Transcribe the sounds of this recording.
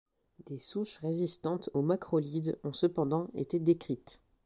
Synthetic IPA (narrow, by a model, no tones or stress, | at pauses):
d̪esuʃʁezist̪ɑ̃t̪omakχɔlid̪ɔ̃səpɑ̃d̪ɑ̃ḛt̪ed̪ekχit̪